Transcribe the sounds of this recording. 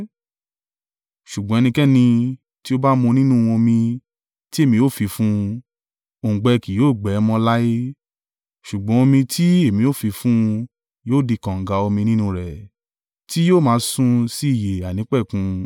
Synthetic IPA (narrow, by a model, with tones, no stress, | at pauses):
ʃu˨ɡ͡bɔ̃˨˦ɛ˧nĩ˧kɛ˦˨nĩ˧ | ti˦o˦ba˦mõ˧nĩ˦nũ˦˨˧w̃ɔ̃˧mĩ˧ | ti˦e˦˨mĩ˧o˦˨fi˧fũ˦˧ | õ˨ɡ͡bɛ˧ki˨joː˦˨ɡ͡bɛ˨˦mɔ̃˧la˦e˦ | ʃu˨ɡ͡bɔ̃˨˦o˧mĩ˧tʰi˦e˦˨mĩ˧jo˦˨fi˧fũ˦˧ | joː˦˨di˧kã˨ŋ̩˨ɡa˧o˧mĩ˧nĩ˦nũ˧ɾɛ˨ | ti˦joː˦˨mãː˨˧˦sũ˦si˦i˦˨je˨a˨nĩ˨˦k͡pɛ˦˨kũ˧